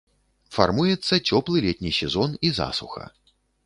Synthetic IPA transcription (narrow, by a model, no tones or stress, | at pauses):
fa̰rmujɛt̪sːɐt͡sʲɔplˠɨlʲɛt̪ʲnʲisʲɛzɔniza̰suxɐ̰